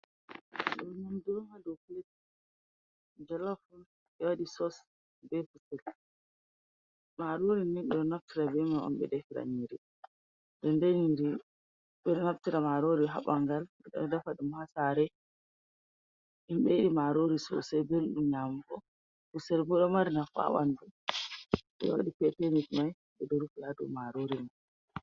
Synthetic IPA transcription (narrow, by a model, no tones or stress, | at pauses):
ɗɔnumdɔŋadɔflet | d͡ʒɔlafun | ɛwaɗisɔs | bɛfusɛl | maɾoɾininɓɛɗɔnaf̚tiɾabɛmaʔɔ̰mɓɛ̰dɛfiɾa̰ɲiɾi | ɗɔndɛɲiɾi | ɓɛɗɔnaftiɾamaɾoɾiɦaɓaŋɡalɛɗɔ̰dafaɗumhasaɾɛ | imɓɛiɗimaɾoɾisɔ̰sɛbelɗumɲamfɔ | fusɛlbɔɗɔmaɾnafa̰wandu | ɓɛ̰wa̰ɗipɛtemitmaj | ɓɛdɔɾufladṵmaɾoɾina